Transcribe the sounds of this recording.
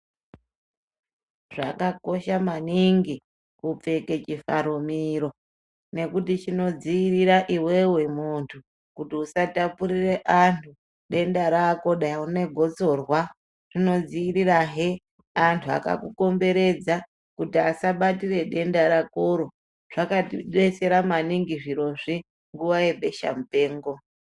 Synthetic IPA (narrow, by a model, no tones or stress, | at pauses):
ʐa̰kako̞ʃamaniŋɡi | kup͡fe̞ke̞t͡ʃifaɾumiɾo̞ | ne̞kutit͡ʃino̞d͡ziːɾiɾaʔiwe̞we̞muntʰu | kutiusatapuɾire̞ʔantʰu | ɗe̞ndaɾako̞ɗaune̞ɡʱo̞t͡so̞rwa | rino̞d͡ziiɾiraɦe | antʰua̰ka̰kuko̞mbe̞ɾe̞d͡za | kutiasaɓatire̞ɗe̞ndaɾakoɾo | ʐ̥akaɗe̞se̞ɾamaniŋɡiʐiɾo̞ʐi | ŋɡuwaje̞ɓe̞ʃa̰mupe̞ːŋɡo̞